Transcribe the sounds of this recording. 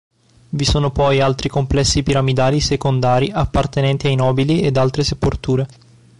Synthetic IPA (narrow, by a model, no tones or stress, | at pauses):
visoːnopɔjalt̪ɾikomplɛsːipiɾamid̪aːlisekond̪aːɾiʔapːart̪enɛnt̪iajnɔːbilied̪alt̪ɾeseport̪uːɾe